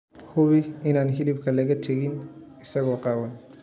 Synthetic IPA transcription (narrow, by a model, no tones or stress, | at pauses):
hʊβɪɪnaːnɦɪlɪb̚kʰɐlɐɣɐt̪ʰɐɣɪn | ɪsɐɣɔːqɑːwɐn